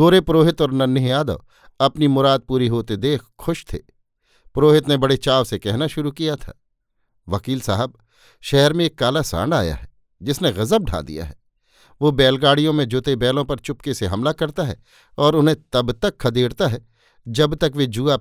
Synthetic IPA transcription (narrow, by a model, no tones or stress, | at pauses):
ɡoːɾepɾoːɦɪt̪ɔːɾnɐnːɪɦjaːd̪ə̰ʋ | ɐpnimʊɾaːd̪̚puːɾiɦoːt̪ed̪eːkʰxʊʃt̪ʰḛː | pɾoːɦɪt̪nebɐɽet͡ʃaːʋsekɛɦnaʃʊɾukijat̪ʰa̰ː | ʋɐkiːlsaːɦəb̚ | ʃɛɦəɾmẽeːkːaːlasã̰ːɳɖa̰ːja̰ɦɛ | d͡ʒɪsneɣɐzəb̚ɖʱa̰ːd̪ḭja̰ɦɛ̰ | ʋobɛːlɡaːɽijõmẽd͡ʒʊt̪ebɛːlõpɐɾt͡ʃʊp̚keseɦɐmlakɐɾt̪aɦɛ̰ | ɔːɾʊnɦẽt̪ɐbt̪ɐkʰːɐd̪eːɽt̪aɦɛ | d͡ʒɐbt̪ɐkʋed͡ʒuːa